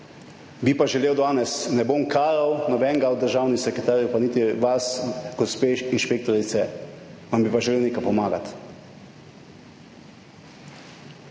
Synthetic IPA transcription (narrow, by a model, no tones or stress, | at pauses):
bipaʒɛleːwd̪aːnɛsnɛboːmkʰaːɾawnɔbɛŋɡaɔd̪d̪əɾʒaːwnisɛkɾɛt̪aːɾjupaniːt̪iʋasɡ̥ɔspeːinʃpeːk̚t̪ɔɾit̪sɛʋambipaʒɛleːwneːkajpɔmaːɡa̰t̪